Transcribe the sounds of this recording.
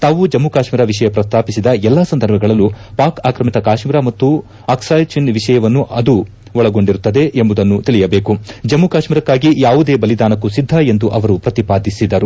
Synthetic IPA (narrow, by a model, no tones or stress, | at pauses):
t̪aːʋud͡ʒɐmːukaːʃmiːɾɐʋiʂɐjɐpɾɐst̪aːpisid̪ɐɛlːaːsɐnd̪ɐɾbʱɐɡɐɭɐlːupaːkaːkɾɐmit̪ɐkaːʂmiːɾɐmɐt̪ːu | aːksaːjt͡ʃinʋiʂɐjɐʋɐnːuʔɐd̪u | ʋɔɭɐɡo̞ɳɖiɾut̪ːɐd̪e̞ʔembud̪ɐnːut̪iɭijɐbe̞ːkud͡ʒɐmːukaːʂmiːɾɐkːaːɡijaːʋud̪e̞ːbɐlid̪aːnɐkːusid̪ʱːɐe̞nd̪uʔɐʋɐɾupɾɐt̪ipaːd̪ʱisid̪ɐɾu